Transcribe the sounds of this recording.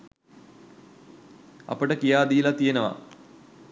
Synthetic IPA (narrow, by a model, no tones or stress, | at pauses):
a̰pəʈəkijaːd̪iːlat̪ijenəʋa̰